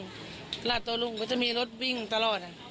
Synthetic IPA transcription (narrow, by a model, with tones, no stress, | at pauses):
ŋ | laː˧˩t̪ːo˧lu˧˨ŋkɔː˧˩t͡ɕa˧˩ʔmiː˧lo˦˥t̪̚wi˧˨ŋt̪a˧lɔː˨˩t̪̚a˧˩